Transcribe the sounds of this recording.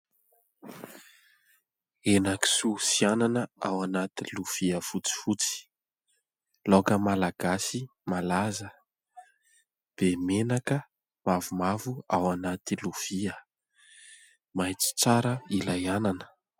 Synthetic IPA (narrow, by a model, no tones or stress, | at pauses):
enaki̥susiananəawanat̪iluv̥iəfut͡si̥fut͡si̥ | lokəmalaɡasi | malazə | b̥emenakə | mavumavuawanat̪iluv̥iə | majt͡si̥t͡saɾəilajananə̥